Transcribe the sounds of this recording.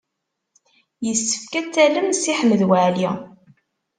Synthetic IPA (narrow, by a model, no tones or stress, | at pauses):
jəsːə̥fkæt͡sːæləmsiħəməðwəʕli